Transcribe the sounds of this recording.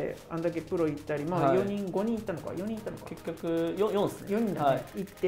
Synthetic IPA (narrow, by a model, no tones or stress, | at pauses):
ḛãnd̪ak̬e̞pɯɾo̞it̪ːaɾʲimajo̞ɲ̟ĩŋɡo̞ɲ̟ĩit̪ːano̞ka̰jo̞ɲ̟ĩit̪ːanokḁ̰kekʲːokɯ̟jõjõnsnjo̞ɲ̟ĩnd̪aeit̪ːe